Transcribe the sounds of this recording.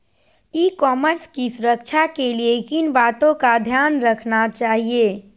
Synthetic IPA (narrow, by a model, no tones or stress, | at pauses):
ikɔːməɾskisuɾəkt͡ʃʰakeliekinbat̪õkad̪ʱjanɾəkʰnat͡ʃaːɦie